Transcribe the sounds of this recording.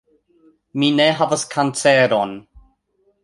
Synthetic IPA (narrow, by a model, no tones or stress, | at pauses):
miːnɛɦavəskʰant͡sɛɾɔn